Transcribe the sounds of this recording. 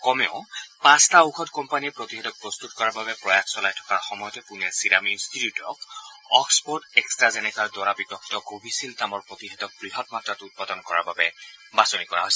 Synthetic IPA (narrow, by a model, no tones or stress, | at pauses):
kɔmɛʊpãstauxʰɔtkɔmpaniɛpɹotiɦɛtɔk̚pɹɔst̪utkɔɹaɹbabɛpɹɔjakʰsɔlajtʰɔ̥kaɹxɔmɔjɔtɛpunɛɹsinaminstitjutɔ̰kɔkspɔɹtɛkstɹazɛnɛkaɹdɔɹabipɔkʰːi̥tɔkobisiltamɔɹpɹotiɦɛtɔk̚b̥ɹiɦɔtmatɹatʊt̚padɔnkɔɹa̰ɹbabɛbasonikɔɹa̰ɦojsɛ